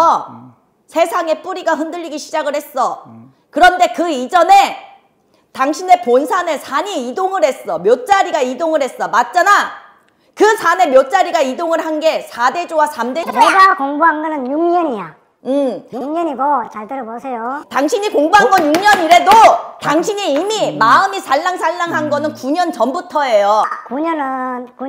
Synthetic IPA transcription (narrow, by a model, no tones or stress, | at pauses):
ʌ | sʰe̞sʰaŋe̞p͈uɾiɡaɦɯndɯʎːiɡiɕʰid͡ʑaɡɯɭhe̞s͈ʌ | kɯɾʌnde̞kɯid͡ʑʌne̞ | taŋɕʰine̞ponsʰanɯsʰaɲiidoŋɯɾhe̞s͈ʌmjʌt̚t͡ɕ͈aɾiɡaidoŋɯɭhe̞s͈ʌmat̚t͡ɕ͈ana | kɯsʰane̞mjʌt̚t͡ɕ͈aɾiɡaidoŋɯɭhanɡe̞sʰade̞d͡ʑowasʰamde̞eɡakoŋbuɦanɡʌnɯnjuŋɲʌɲija | ɯmjuŋɲʌniɡot͡ɕaɭtɯɾʌbosʰejotaŋɕʰiɲikoŋbuɦanɡʌnjuŋɲʌɲiɾe̞dotaŋɕʰiɲiimimaɯmisʰaɭːaŋsʰaɭːaŋɦanɡʌnɯnkuɲʌnt͡ɕʌmbutʰʌe̞jokuɲʌnɯnku